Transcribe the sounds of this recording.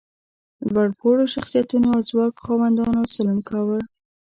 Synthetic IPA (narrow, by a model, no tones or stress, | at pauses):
waɽpʰoɽoʃaxsijat̪unoazwɑkxɑwand̪ɑnosalunkɑwə